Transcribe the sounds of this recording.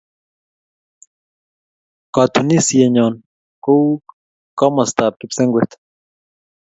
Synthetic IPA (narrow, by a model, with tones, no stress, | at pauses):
kɔ˨t̪uni˦sjɛ˨ɲɔ˨n | ko˦w | kɔ˦mɐ˨st̪a˨p̚ki˦pse˦ŋɡwɛ˨t̪